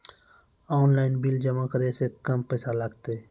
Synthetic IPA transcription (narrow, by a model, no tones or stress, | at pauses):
ɔːnlaːɪnbild͡ʒəmakəɾesekəmpəɪsaləɡt̪e